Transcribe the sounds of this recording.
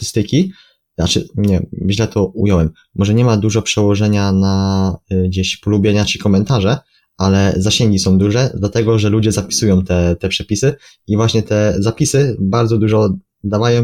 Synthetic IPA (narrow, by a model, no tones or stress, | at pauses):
t̪st̪ɘkʲi | at͡ʂɘɲɛʑlɛt̪ʰɔujɔwɛmːɔʐɛɲɛmad̪uʐɔpʂɛwɔʐɛɲana | ɡd͡ʑeɕpɔlubʲjɛɲat͡ɕikɔmɛnt̪aʐɛ | alɛzaɕeɛŋɡʲisɔ̃w̃d̪uʐɛd̪lat̪ɛɡɔʐɛlud͡ʑɛzapʲi̥sujɔ̃w̃t̪ɛt̪ɛpʂɛpʲisɘ | ivwaɕɲɛt̪ɛzapʲisɘbaɾd̪zɔd̪uʐɔ | d̪avajɔ̃w̃